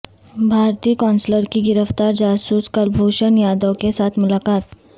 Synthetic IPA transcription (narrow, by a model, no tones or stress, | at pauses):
bʱaːɾt̪iːkɔːnsləɾkiɡɪɾəft̪aːɾd͡ʒaːsuːskəlbʱoːʃənjaːd̪okesaːt̪ʰmʊlaːkaːt̪̚